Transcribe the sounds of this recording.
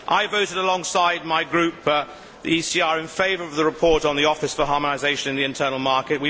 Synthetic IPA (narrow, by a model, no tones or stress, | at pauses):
ʔaɪvoʊɾɪɾəlɔ̃ŋsaɪd̚maɪɡɹʉˑp | ðḭisiɑɹɪ̃nfeɪvəɹʌvðəɹɨpʰɔɹɾn̩ðiɔfɨsfəɦɑːmənaɪzeɪʃə̃ñnðiɨ̃ntʰɜːnl̩ˠmɑɹkɪt̚wi